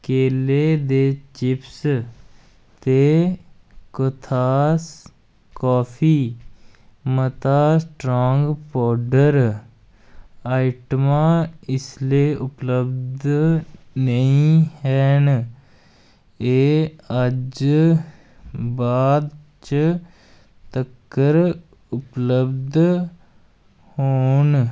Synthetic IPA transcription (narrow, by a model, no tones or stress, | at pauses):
keːleːd̪eːt͡ʃɪps | t̪eː | kət̪ʰaːs | kɔːpʰiː | mət̪aːsʈɾoːŋɡpɔːɖəɾ | aːɪʈmãːɪsleːʔʊpləbd̪ | nəĩɦɛːn | eːəd͡ʒ | baːd̪ | t͡ʃə | t̪əkːəɾ | ʊpləbd̪ | hoːn